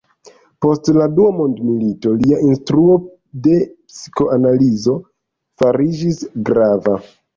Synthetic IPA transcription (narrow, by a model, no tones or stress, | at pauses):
po̞stladuamo̞ndmilito̞liainstɾuo̞ | de̞psi̥ko̞ʔanalizo̞ | faɾid͡ʒisɡɾava